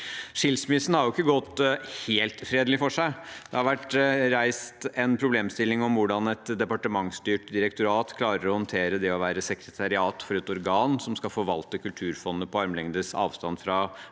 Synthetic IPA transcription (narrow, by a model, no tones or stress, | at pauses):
ʂɪlsmɪsən̩hɑɾjʊɪkːəɡɔt̪ːheːlt̪fɾeːd̪lɪfɔʂæɪd̪̥ɛhɑɾʋæʈɾæɪst̪ɛnpʰɾʊbleːmst̪ɪlːɪŋɔmʋʊɖɑnɛt̪d̪ɛpɑʈəmɑŋst̪yːʈd̪ɪɾɛkt̪ʊɾɑːt̪kʰlɑːɾəɾɔhɔnt̪ʰeːɾəd̪ɛɔʋæːɾəsɛkɾət̪ʰɑɾɪɑːt̪fɔɾɛt̪ɔɾɡɑːnsɔmskɑfɔːʋɑlt̪əkʰʉlt̪ʰʉːɾfɔnːəpɔɑɾmlɛŋd̪əsɑ̰ːʋst̪ɑnfɾɑ